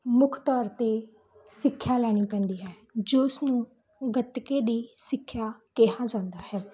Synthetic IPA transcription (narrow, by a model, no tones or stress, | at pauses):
mʊkʰt̪ɔːɾt̪eː | sɪkʰːjaːlɛːɽ̃iːpɛ̃ːnd̪iːɦɛː | d͡ʒeːʊsnũː | ɡət̪keːd̪iːsɪkʰːjaːkeːɦãːd͡ʒãːnd̪aːhɛː